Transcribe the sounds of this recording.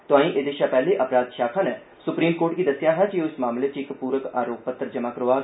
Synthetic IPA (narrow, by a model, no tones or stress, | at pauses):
t̪ʊãːĩːʔed̪eːʃaːpɛːleːʔəpɾaːd̪ʃaːkʰaːnɛː | sʊpɾiːmkoːʈɡiːd̪əsɪjaːɦãt͡ʃiʊsmaːmleːt͡ʃɪkpuːɾəkaːɾoːk̚pət̪ːəɾd͡ʒəmãːkəɾoːaːɡ